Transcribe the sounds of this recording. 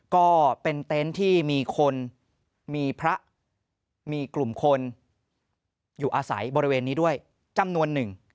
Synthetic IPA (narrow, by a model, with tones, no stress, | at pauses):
kɔː˥˩pe˧nt̪e˦˥nt̪ʰiː˥˩miː˧kʰo˧n | miː˧pʰɾa˦˥ʔ | miː˧klu˨˩mkʰo˧n | juː˨˩ʔaː˧sa̰˩˦jbɔː˧ɾi˦weː˧nːiː˦˥du˥˩əj | t͡ɕa˧mnu˧ənːɯ˨˩ŋ